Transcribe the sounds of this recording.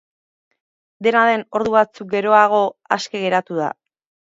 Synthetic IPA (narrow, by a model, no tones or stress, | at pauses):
d̪e̞naðe̞no̞ɾðuβat͡suk̚ɡe̞ɾo̞aɣ̞o̞a̰ske̞ɣ̞e̞ɾat̪uða̰